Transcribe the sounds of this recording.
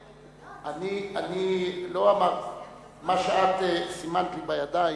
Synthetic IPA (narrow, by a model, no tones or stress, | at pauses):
anianiloama | maʃaat̪esimantibajad̪aj